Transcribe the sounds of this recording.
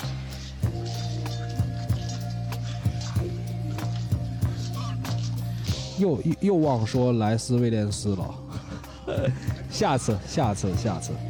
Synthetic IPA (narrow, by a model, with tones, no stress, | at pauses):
jo˥˩ʊ˧jo˥˧ʊwɑ˥˩ŋʂwɔ˥la˧˥ɪsɹ̩˥we˥˧ɪljɛ˥˩nsɹ̩˥lə̰˨˩ | ɕja˥˧t͡sʰɹ̩˥˧ɕja˥˩t͡sʰɹ̩˥˧ɕja˥˩t͡sʰɹ̩˥˩